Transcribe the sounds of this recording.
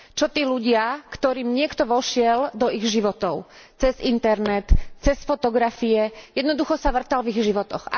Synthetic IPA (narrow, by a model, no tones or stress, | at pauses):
t͡ʃɔt̪iːluɟɪakt̪ɔɾiːmɲɪɛkt̪ɔʋɔʃɪɛld̪ɔiɣʒiʋɔt̪ɔʊ | t͡sɛzint̪ɛɾnɛt̪t͡sɛsfɔt̪ɔɡɾafiɛjɛd̪nɔd̪uxɔsaʋr̩t̪alviɣʒiʋɔt̪ɔxa̰